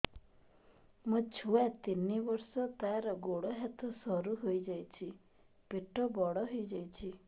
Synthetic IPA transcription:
mũt͡ʃʰuat̪inibɔɾsɔt̪aɾɔɡoɽɔɦat̪ʰɔsɔɾuɦojd͡ʒajt͡ʃʰi | peʈʰɔbɔɽɔɦojd͡ʒajt͡ʃʰi

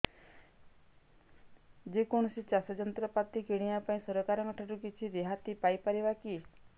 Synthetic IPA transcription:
d͡ʒekɔɽ̃ɔsit͡ʃasɔd͡ʒɔnt̪ɾɔpat̪ikeɽ̃ijapaĩsɔɾɔkaɾɔŋɔʈʰaʈukit͡ʃʰiɾeɦat̪ipajpaɾibaki

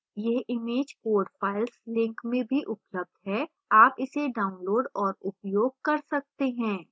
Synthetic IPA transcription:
jeɦɪmeːd͡ʒkoːɖfaːɪlslɪ̃ŋkmẽbʱiʔʊpləb̚d̪ɦɛ | aːpɪseɖaːʊnloːɖɔːɾʊpjoːɡ̚kɐɾsɐk̚t̪eɦɛ̃ː

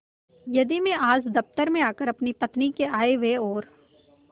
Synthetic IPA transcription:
jɐd̪imẽʔaːzd̪ɐft̪əɾmẽaːkəɾɐpnipɐt̪nikeaːeʋeɔːɾ

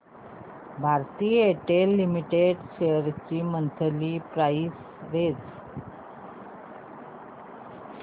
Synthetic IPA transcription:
bʱaɾt̪iːeʈelːimiʈeɖɕeəɾt͡ɕiːmənt̪ʰəliːpɾais | ʋed͡z

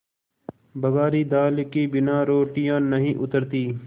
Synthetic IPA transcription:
bəɡaːɾiːd̪aːlkiːbɪnãːɾoːʈijãːnəɦĩːʔʊt̪əɾt̪iː

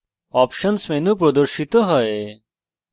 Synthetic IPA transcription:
ɔpʃənsmenũpɾɔd̪ɔɾʃit̪ɔɦɔe

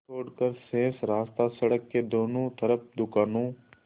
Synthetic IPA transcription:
oːɽkəɾsẽːsɾaːst̪asɐɽəkːed̪oːnõːt̪ʰəɾəp̚ʰd̪ʊkaːnõː

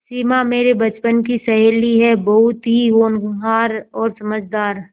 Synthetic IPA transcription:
siːmameːɾebɐt͡ʃpənk̬isɐɦeːliɦɛbɐɦʊt̪ɦiɦoːnaːɾɔːɾsɐməd͡ʒd̪aːɾ

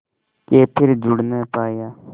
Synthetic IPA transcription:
keːpʰɪɾd͡ʒʊɽnəːpaːjaː

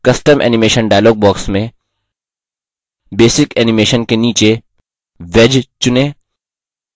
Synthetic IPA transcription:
kɐsʈəmʔɛ̰ːnɪmeːʃənɖaːɪloːɡ̚bɔːksmẽ | beːsɪkɛːnɪmeːʃənkeniːt͡ʃe | ʋed͡ʒt͡ʃʊneː

